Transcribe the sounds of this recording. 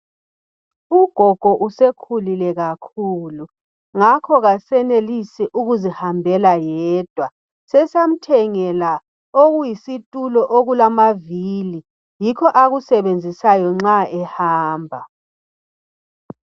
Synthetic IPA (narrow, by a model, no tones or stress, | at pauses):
uɡ̥ʱɔɡ̥ʱɔʔusekʰulilɛɣakʰulu | ŋakʰɔɣasɛnelisɛʔuɣuzihambʱɛlajɛɛːd̥ʱwa | sɛsam̩tʰɛŋɛla | oɣujisitʼulɔʔoɣulamavili | jikʰɔʔaɣusɛβend͡zʱisajɔŋ͡ǁaɛhaːmbʱa